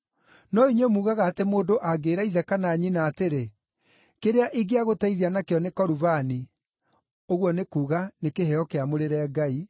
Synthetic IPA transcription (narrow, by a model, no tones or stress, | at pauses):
nɔiɲwemuːɣaɣaːtemoːdoʔaɡeːɾaiðɛkanaɲinaːteɾe | keɾeaʔiɡeaɣotaiðianakeɔnekɔɾuvani | oɣwɔnekuːɣanekeɦɛɔkeamoɾeɾɛːɡai